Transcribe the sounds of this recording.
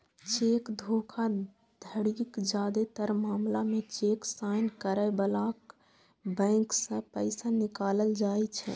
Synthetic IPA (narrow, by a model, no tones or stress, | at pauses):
t͡ʃekd̪ʱokʰa | d̪ʱəɽiikd͡ʒad̪et̪əɾmaːmlamet͡ʃeksajnkəɾəɪbəlak | bə̃ksə̃pəɪsanikaːləld͡ʒajt͡ʃʰɛ̰